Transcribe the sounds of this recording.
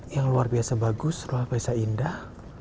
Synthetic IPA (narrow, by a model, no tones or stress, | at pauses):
jaŋluarbiasabaɡʊsruapaisaindah